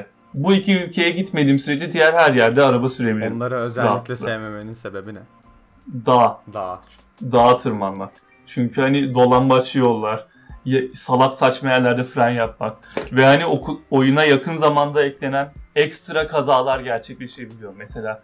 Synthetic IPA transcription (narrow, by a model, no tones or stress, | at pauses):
buicʰiylʲcʰe̞jɛɟit̪me̞d̪iːmsyɾed͡ʒɛd̪ijæɾhæɾjæɾd̪ɛaɾabasyɾe̞bilʲiɾnːˠaɾɯøzɛlailɛsejmemeninsebebinɛ | d̪aɦad̪ | d̪aːt̪ʰɯɾmanmak | t͡ʃʰyɲcʰyhanid̪o̞lˠanbat͡ʃɯjo̞lˠːaɾ̥ | jsalˠaksat͡ʃmajæɾlʲæɾd̪ɛfɾanjap̚mak̚vɛhaniokʰuojunajakʰɯnzamand̪aɛclʲe̞nænɛcst̪ɾakʰazaːlˠaɾɟæɾt͡ʃʰɛclʲe̞ʃe̞bilʲijo̞mːɛse̞lʲaː